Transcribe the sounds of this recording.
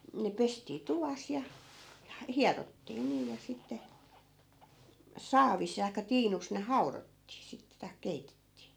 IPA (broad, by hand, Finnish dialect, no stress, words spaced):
ne pestiː tuʋɑs jɑ jɑ hiɑrotːiː niː jɑ sitːe sɑːʋis tɑikːɑ tiːnus ne hɑu̞rotːiː sitːĕ tɑi̯k̆ keitetːiː